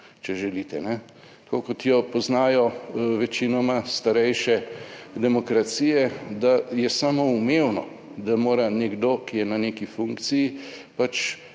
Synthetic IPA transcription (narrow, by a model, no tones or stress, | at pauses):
t͡ʃɛʒɛliːt̪ɛnɛ | t̪kokɔt̪jɔpɔznaːjɔʋɛt͡ʃinɔmast̪aɾɛjʃɛd̪ɛmɔkɾat̪sijɛd̪ajɛsaːmoumeːwnɔ | d̪amoːɾanɛɡd̪okijɛnaneːkifuŋkt̪sijipat͡ʃ